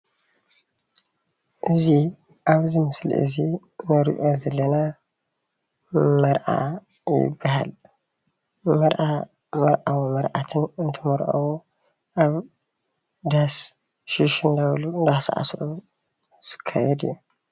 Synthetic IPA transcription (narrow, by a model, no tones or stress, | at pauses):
ʔɨzi | ʔaβzimɨsl̰ʔɨ̰zi | nɨɾiʔozɐlːɐna | mɐɾʔa̰ | jɪ̰bːaɦa̰l | mɐɾʔa | mɐɾʔawmɐɾʔat̪ʰɨnɨnt̪ʰɨmɐɾʔɐ̰wu | ʔaβ | d̪as | ʃiʃɨnd̪ɐβlund̪asa̰ʔa̰sʔu | z̥ɨ̥kʰːajɛd̪ḭjːu